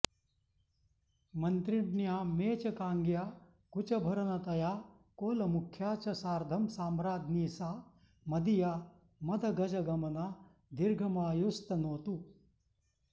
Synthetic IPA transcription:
mɐnt̪ɾiɖnjaːmeːt͡ʃɐkaːŋɡjaː | kut͡ʃɐbʱɐɾɐnɐt̪ɐjaː | koːlɐmukʰjaːt͡ʃɐsaːɾd̪ʱɐmsaːmɾaːd̪ʱniːsaː | mɐd̪ijaː | mɐd̪ʱɐɡɐd͡ʒɐɡɐmɐnaː | d̪iɾɡʱɐmaːjust̪ɐnoːt̪u

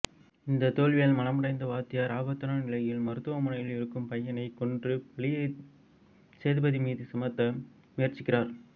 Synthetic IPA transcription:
ɪnd̪ɐt̪oːlʋɪjɐːlmɐlɐmɯɽɐɪnd̪ɐʋaːt̪ːɪjaːɾaːbɐt̪ːɯnaːnɪlɐjɪlmɐɾɯt̪ːɯʋɐmʊnɐjɪlɪɾɯkːɯmpɐjːɐnɐɪkɔɳdrɯpɐɭɪjɐ | seːðɯbɐðimiːðisɐmɐt̪ːɐ | mɪjɐrt͡ʃːɪkːɪraːɾ

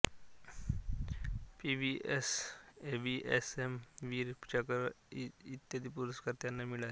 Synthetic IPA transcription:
piʋiʔesebiʔḛsemʋiɾpt͡ɕakəɾ | it̪jad̪ipuɾəskəɾt̪janːamiɭa

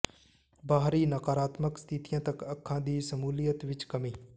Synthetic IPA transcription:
baːɦɾiːnəkaːɾaːt̪məkst̪ʰɪt̪ijãːt̪əkəkʰːãːd̪iːsəmuːlijət̪ʋɪt͡ʃkəmiː

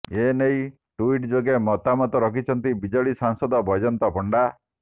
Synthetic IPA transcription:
enej | ʈuiʈd͡ʒoɡemɔt̪amɔt̪ɔɾɔkʰit͡ʃʰɔnt̪ibid͡ʒɔɭisaŋsɔd̪ɔbʱɔjd͡ʒɔnt̪ɔpɔɳɖa

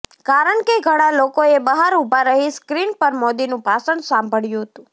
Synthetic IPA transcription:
kaɾəɳkeɡʱəɽ̃alokoebəɦaɾubʱaɾəɦiskɾinpəɾmɔd̪inũpasəɳɖsambʱəɭjũɦət̪ũ

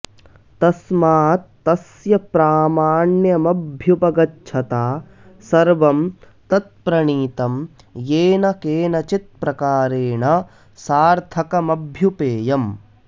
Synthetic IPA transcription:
t̪ɐsmaːt̪ːɐsjɐpɾaːmaːɳjɐmɐbʱjupɐɡɐtːt͡ʃʰɐt̪aː | sɐɾʋɐm | t̪ɐt̪̚pɾɐɳiːt̪ɐm | jeːnɐkeːnɐt͡ʃit̪̚pɾɐkaːɾeːɳɐ | saːɾt̪ʰɐkɐmɐbʱjupeːjɐm

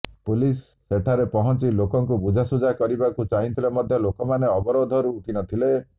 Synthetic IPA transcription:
pulisːeʈʰaɾepɔɦɔnt͡ʃilokɔŋkubud͡ʒʱasud͡ʒakɔɾibakut͡ʃaɦĩnt̪ʰilemɔd̪ʱjɔlokɔmaneɔbɔɾod̪ʱɔɾut̪ʰinɔt̪ʰile

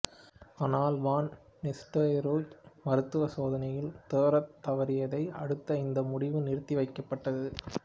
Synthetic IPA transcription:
aːnaːlʋaːnː | ɛsʈoːjɾuːd͡ʒmɐɾɯt̪ːɯʋɐsoːðɐnɐjɪlt̪eːɾɐt̪ːɐʋɐɾɪjɐðɐɪɐ̰ɽɯt̪ːɐɪnd̪ɐmʊɽɪʋɯnɪɾt̪ːiʋɐɪkːɐpːɐʈːɐðɯ

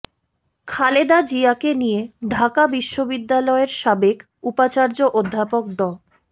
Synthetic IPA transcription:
kʰaled̪ad͡ʑiakenijeɖʱakabiʃːobid̪ːalɔeɾʃabek | upat͡ɕaɾd͡ʑoʔod̪ʱːapok̚ɖɔ

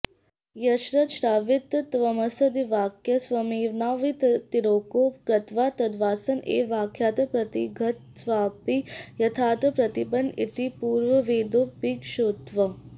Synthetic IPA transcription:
jɐʃɾɐʃɾaːʋit̪ːt̪ʋɐmɐsɐd̪iʋaːkʰjɐsʋɐmiːʋnaːʋit̪t̪iɾoːkoːkɾɐt̪ʋaːt̪ɐd̪ʋaːsɐnḛːʋaːkʰjaːt̪ɐpɾɐt̪iɡʱɐt̪sʋaːpijɐt̪ʰaːt̪ɐpɾɐt̪ibɐnḭt̪ipuːɾʋɐʋeːd̪oːpiːkʃoːt̪ʋɐ

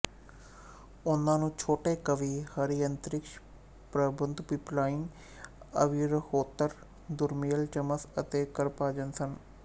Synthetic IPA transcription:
ʊnãːnũːt͡ʃʰoːʈeːkəʋiːhəɾijə̃nt̪əɾɪkʃ | pɾəbənd̪piplaːɪŋ | ə̰ʋiːɾəhoːt̪əɾ | d̪ʊɾmijəlt͡ʃəməsət̪eːkəɾpaːd͡ʒənsən

